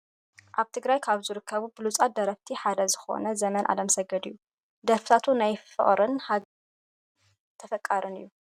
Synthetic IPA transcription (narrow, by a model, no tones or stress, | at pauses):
ʔaβt̪ʰɨɡɾajkʰaβzɨɾɨkʰːɐβubɨlut͡sʼat̪̚d̪ɐɾɐβt̪ʰiħad̪ɐzɨxo̞̰nɐzɐmɐnʔa̰lɐmsɐɡɐd̪ɨjːu | d̪ɐɾfɨt̪ʰat̪ʰunajfɨ̰χʼɾɨnħa | t̪ʰɐfɐkʼːaɾɨnɨjːu